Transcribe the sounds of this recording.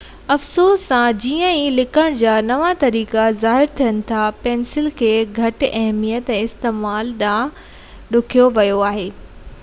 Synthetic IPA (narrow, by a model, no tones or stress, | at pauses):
ɐfsoːssãd͡ʑiːə̃ĩlɪkʰəɽ̃d͡ʑaːnɐʋat̪ɐɾiːkazaːɦɪɾt̪ʰijənɪ̆t̪ʰapɛːnsɪlkʰeːɡʱɐʈɪɐɦmijət̪ɛ̃ːɪst̪eːmaːlɗ̪ã | ɗʊkʰijoʋɐjoaːɦeː